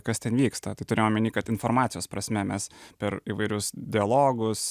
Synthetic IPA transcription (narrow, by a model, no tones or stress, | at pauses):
kɐst̪ʲɛnʋʲiːkst̪ɐt̪ɐɪt̪ʊɾʲejomʲɪnʲiːkɐt̪ɪnfoːɾmɑːt̪sʲɪjoːspɾɐsʲmʲɛmʲɛspʲɛɾiːʋɐɪɾʲʊsd̪ʲɪɐlˠoːɡʊs